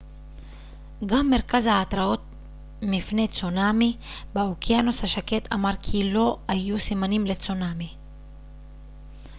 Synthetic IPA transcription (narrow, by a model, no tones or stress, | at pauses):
ɡamːe̞ʁkazhaːt̪ʁao̞t̪̚ | mifne̞t͡sonami | beokiano̞shaʃake̞t̪ʰamaʁkʰilo̞ajusimanimlet͡sonami